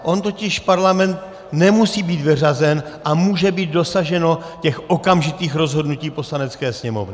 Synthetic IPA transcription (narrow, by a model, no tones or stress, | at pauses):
ʔo̞nt̪o̞cɪʃpaɾlamɛnt̪̚ | nɛmusiːbiːt̪vɪr̝azɛnʔamuːʒɛbiːd̪̚do̞saʒɛno̞ | cɛxʔo̞kamʒɪt̪iːxɾo̞zɦo̞dnuciːpo̞slanɛt͡skɛːsɲɛmo̞̰vnɪ